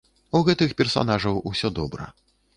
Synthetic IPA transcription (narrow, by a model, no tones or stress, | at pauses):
uɣɛt̪ɨxpʲɛrsa̰naʐɐwusʲɔd̪ɔbɾɐ̰